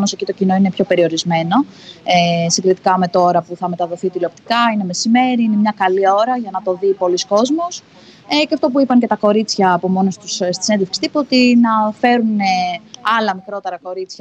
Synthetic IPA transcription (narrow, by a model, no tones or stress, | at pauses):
mosecit̪ocino̞inepço̞pe̞ɾio̞ɾizme̞no̞ | esiŋɡɾit̪i̥kɐme̞t̪o̞ɾɐpuθɐme̞t̪ɐðo̞θit̪ilo̞p̚t̪i̥kɐine̞me̞sime̞ɾiine̞mɲɐkɐlio̞ɾɐʝɐnɐt̪o̞ðipo̞lisko̞zmos | eceɐft̪o̞puipɐŋce̞t̪ɐko̞ɾit͡sçɐːpo̞mo̞nost̪usst̪i̥senðefkst̪ipot̪inɐfe̞ɾuneɐlɐmikɾo̞t̪e̞ɾɐko̞ɾit͡sçɐ